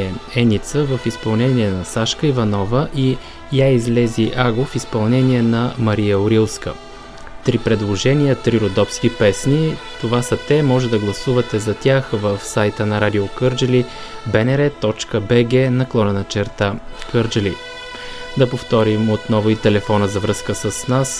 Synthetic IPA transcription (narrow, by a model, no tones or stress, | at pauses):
ɛɛnit̪səvəfispɐlˠnɛniɛnɐsaʃkəivɐnɔvəʔi | jaizlɛziʔaɡofispɐlˠnɛniɛnɐmɐɾijəoɾilˠskə̰ | t̪ɾipɾɛd̪lˠoʒɛniət̪ɾiɾod̪ɔpskʲipɛsnit̪ovasɐt̪ɛmɔʒɛd̪ɐɡlˠɐsuvɐt̪ɛzɐt̪ʲjaxvəfsajt̪ənɐɾad̪iokɤɾd͡ʒəli | bɛnɛɾɛt̪ɔt͡ʃkəbɛɡɛnɐklˠɔnɛnɐt͡ʃɛɾt̪akɤɾd͡ʒəli | d̪ɐpoft̪ɔɾimot̪nɔvʊit̪ɛlɛfɔnəzɐvɾɤskəsəsnas